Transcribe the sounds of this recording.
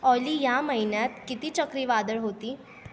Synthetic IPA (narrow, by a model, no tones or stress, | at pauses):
ɔlijaməɦinjat̪kit̪iːt͡ɕəkɾiːʋad̪əɭɦot̪iː